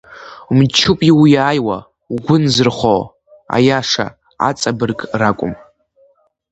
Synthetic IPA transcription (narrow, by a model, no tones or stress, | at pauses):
mt͡ʃʰupʼiwjaːjwa | ɡʷʊnzɨrχʷo | a̰jaʂa̰ | a̰t͡sʼabɨrkʼrakʷʼʊ̰m